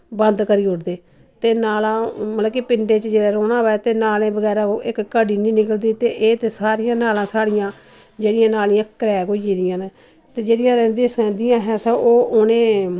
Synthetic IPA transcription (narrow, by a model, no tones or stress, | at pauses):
bənd̪kəɾiːʊɽd̪eː | t̪eːnaːlãːmət̪ləkipɪɳɖeːt͡ʃd͡ʒeːɽɛːɾoːnãːʋɛːt̪eːnaːlẽːbəɡɛːɾãːoːʔɪkːəɖiːnĩːnɪkəld̪iːt̪eːʔeːt̪eːsaːɾijãːnaːlãːsaːɽɪjãː | d͡ʒeːɽɪjãːnaːlɪãːkəɾɛːkoid͡ʒiːd̪ɪjãːne | t̪eːd͡ʒeːɽɪjãːɾɛ̃ːnd̪ĩːsɛ̃ːnd̪ijãːɦɛ̃ːsəʔoːʔʊnẽː